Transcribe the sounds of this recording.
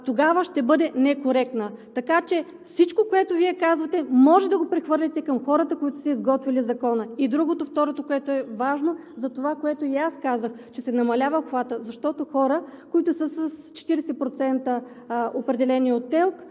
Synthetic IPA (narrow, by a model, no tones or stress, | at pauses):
t̪oɡavəʃt̪ɛbɤd̪ɛnɛkoɾɛk̚t̪nət̪ɐkat͡ʃɛ | fsit͡ʃkokoɛt̪oviɛkazvɐt̪ɛmɔʒɛd̪ɐɡopɾɛxvɤɾlʲɛt̪ɛkəmxɔɾət̪əkoit̪ʊ̥sɛizɡɔt̪vilizɐkɔnəid̪ɾuɡot̪oft̪ɔɾot̪okoɛt̪oɛvaʒnozɐt̪ovakoɛt̪oiaskazəxt͡ʃɛsɛnɐmɐlʲavəpxvat̪əzɐʃt̪ɔt̪oxɔɾəkoit̪ʊsəsəst͡ʃɛ̥t̪iɾɛsɛpɾot̪sɛnt̪ə | opɾɛd̪ɛlɛniot̪̚ːɛlˠk